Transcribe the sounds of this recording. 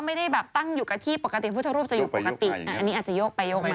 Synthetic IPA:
ma˥˩jda˥˩jbɛː˨˩p̚t̪a˥˩ŋjuː˨˩ka˧˩t̪ʰiː˥˩po˨˩ka˧t̪i˨˩pʰuː˥˩t̪ʰa˧˥ɾu˥˩pt͡ɕa˨juː˨˩po˨˩ka˧˩t̪i˨˧a˧˩a˧niː˦˥ʔːt̪t͡ɕa˨˩joː˥˩k̚pa˧joː˥˩k̚na˧

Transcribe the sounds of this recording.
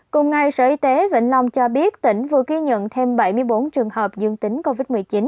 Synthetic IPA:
kʊ˨˩ŋ͡mŋa˨˩jsəː˧˩ʔi˧t̪e˨˦vḭ˧˥ŋ̟la˧wŋ͡mt͡ɕɔ˧ɓi˦˥ət̚t̪ï˧˩ŋ̟vɨ˨˩əɣi˧ɲə̰˧˨nt̪ʰe˧mɓa˧˩jmɨ˧əjɓo˨˦nt͡ɕɨ˨˩əŋhəː˨˩p̚zɨ˧əŋt̪ï˨˦ŋko˧vi˦˥t̚mɨ˨˩t͡ɕi˨˦n

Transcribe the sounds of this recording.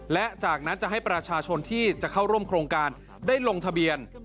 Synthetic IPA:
lɛ˦˥t͡ɕaː˨˩k̚na˦˥nt͡ɕa˨˩ʔɦa˥˩jpɾa˧t͡ɕʰaː˧t͡ɕʰo˧nt̪ʰiː˥˩t͡ɕa˨˩kʰa˥˩wɾu˥˩əmkʰɾoː˧ŋkaː˧n | daː˥˩jlo˧ŋt̪ʰa˧bi˧ən

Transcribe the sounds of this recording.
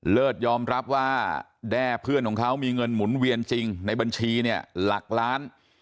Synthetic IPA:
lɤː˥˩t̪̚jɔː˧mɾa˦˥p̚waː˥˩ | dɛː˥˩pʰɯ˥˩ənkʰɔː˩˦ŋkʰa˦˥wmiː˧ŋɤ˧nmu˩˦nwi˧ənt͡ɕi˧ŋna˧jba˧nt͡ɕʰiː˧ni˥˩əla˨˩k̚ɾaː˦˥n

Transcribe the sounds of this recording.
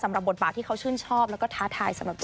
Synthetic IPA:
sa˨˩˦mɾa˨˩bo˨˩t̪̚baː˨˩t̪ʰːiː˥˩kʰa˦˥wt͡ɕʰɯː˥˩nt͡ɕʰɔː˥˩p̚lɛː˦˥wkɔː˥˩t̪ʰaː˦˥t̪ʰaː˧jsa˨˧˦mɾa˨˩t̪

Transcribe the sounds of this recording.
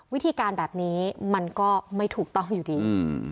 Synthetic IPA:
wi˦˥t̪ʰiː˧kaː˧nbɛː˨˩p̚niː˦˥ma˧nkɔː˥˩ma˥˩jt̪ʰuː˨˩k̚t̪ɔ˥˩ŋjuː˨˩diː˧

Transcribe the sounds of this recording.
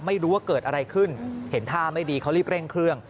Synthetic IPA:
ma˥˩jɾuː˦˥waː˥˩kɤː˨˩t̪̚ʔa˧ɾa˧jkʰɯ˥˩nhe˩˦nt̪ʰaː˥˩ma˥˩jdiː˧kʰa˦˥wliː˥˩p̚ɾe˥˩ŋkʰɾɯ˥˩əŋ

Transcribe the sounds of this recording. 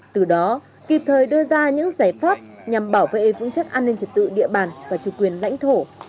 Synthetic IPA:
t̪ɨ˨˩ɗɔ˨˦ | ki˨˩p̚t̪ʰəː˨˩jɗɨ˧əzaː˧ɲɨ̰˧˥ŋzaː˧˩jfaː˦˥p̚ɲa˨˩mɓaː˧˩wvḛ˧˨vɨ̰˧əŋt͡ɕə˦˥k̚ʔaː˧nːi˧ŋ̟t͡ɕi˨˩t̚t̪ɨ̰˧˨ɗḭ˧əɓaː˨˩nvaː˨˩t͡ɕu˧˩kwi˨˩ənla̰˧˥jŋ̟t̪ʰo˧˩

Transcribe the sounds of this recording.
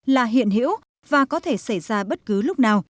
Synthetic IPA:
laː˨˩ɦḭ˧˨ənɦḭ˧˥w | vaː˨˩kɔ˨˦t̪ʰe˧˩sa˧˩jzaː˧ɓə˦˥t̚kɨ˨˦lʊ˦˥k͡p̚naː˨˩w

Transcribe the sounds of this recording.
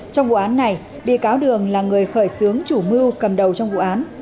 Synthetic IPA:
t͡ɕɔ˧wŋ͡mvṵ˧˨ʔaː˨˦nːa˨˩j | ɓḭ˧˨kaː˨˦wɗɨ˨˩əŋlaː˨˩ŋɨ˨˩əjxəː˧˩jsɨ˨˦əŋt͡ɕu˧˩mɨ˧wkə˨˩mɗə˨˩wt͡ɕɔ˧wŋ͡mvṵ˧˨ʔaː˨˦n

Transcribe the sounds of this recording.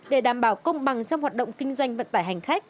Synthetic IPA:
ɗe˧˩ɗaː˧˩mɓaː˧˩wkə˧wŋ͡mɓa˨˩ŋt͡ɕɔ˧wŋ͡mhwaː˨˩t̚ɗə̰˧˨wŋ͡mkï˧ŋ̟zwa˧jŋ̟və̰˧˨nt̪aː˧˩jɦa˨˩jŋ̟xa˦˥jk̚

